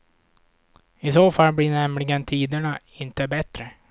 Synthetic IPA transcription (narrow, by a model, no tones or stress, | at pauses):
ɪsoːfalːbɽɪɳɛmlɪɡənt̪ʰiːd̪əɳa | ɪnt̪əbɛt̪ɾə